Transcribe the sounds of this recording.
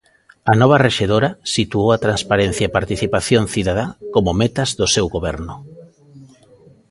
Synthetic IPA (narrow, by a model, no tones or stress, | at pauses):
anɔβ̞areʃeðoɾasit̪uowat̪ɾanspaɾen̟θjaepaɾt̪iθipaθjonθiðað̞akomomet̪azðosewɣoβɛɾnʊ